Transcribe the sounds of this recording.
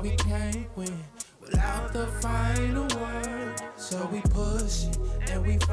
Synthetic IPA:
wikʰẽnkwɨ̃nwɪðaʊt̪̚ðəfãɪ̃nəwɜ˞dsoʊwipʰʊʃɨ̃nwif

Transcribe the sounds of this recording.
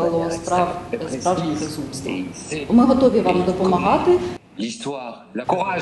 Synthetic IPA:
lˠɔspɑspɾɑwʒnʲibezumst̪ɐ̰ɔmɪɦɔt̪ɔʋʲiʋɑmd̪ɔpɔmɐɦɑt̪ɪ

